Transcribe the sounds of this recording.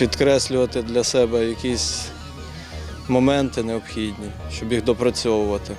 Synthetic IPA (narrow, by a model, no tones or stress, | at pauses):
pʲid̪kɾɛsʲlʲʊʋɐt̪ɪd̪lʲɐsɛbɛjɐkʲisʲ | mɔmɛnt̪ɪneɔpxʲidʲnʲiʃt͡ʃɔbjiɣd̪ɔpɾɐt͡sʲɔʋʊʋɐt̪ɪ